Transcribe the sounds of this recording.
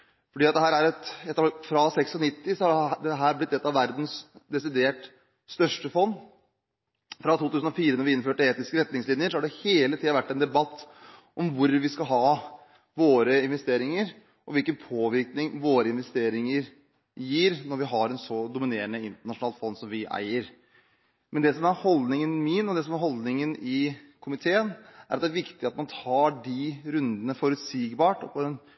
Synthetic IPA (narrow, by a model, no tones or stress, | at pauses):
fɔɖiːɑt̪̚d̪ɛɦæːɾæɾɛt̪ɛt̪ːfɾɑsɛksɔnɪt̪ːɪsɔd̪ɛt̪ːəɦæːɾblɪt̪ːɛt̪ːɑʋæɾd̪nsd̪ɛsɪd̪eːʈ | st̪œʂʈəfɔnː | fɾɑt̪ʰuːt̪ʉːsn̩ɔfiːɾənɔɾʋɪɪnføːʈəeːt̪ɪskəɾɛt̪nɪŋslɪnjəɾʂɔhɑɖɛheːlət̪iːɑʋæʈːɛnd̪ɛbɑt̪ːʔɔmʋʊɾʋɪskɑɦɑː | ʋoːɾəɪnʋɛst̪eːɾɪŋəɾ | ʔɔʋɪlkənpʰoːʋɪɾknɪŋʋoːɾəɪnʋɛst̪eːɾɪŋəɾ | jiːɾnɔɾʋɪɦɑɾɛnsɔd̪ʊmɪneːɾəɳəɪnt̪əɳɑʂʊnɑːlfɔnːsɔmʋɪʔæ̰ɪəɾ | mʔɛnd̪ɛsɔmæɾhɔld̪nɪŋənmɪnɔd̪ɛsɔmæɾɦɔld̪nɪŋənɪkʰʊmɪt̪ʰeːənʔæ̰ɾɑt̪d̪æɾʋɪkt̪ɪɑt̪mɑnt̪ʰɑːɖɪɾʉnd̪ənəfɔɾʉt̪siːɡbɑːʈɔ̰pʰɔɛn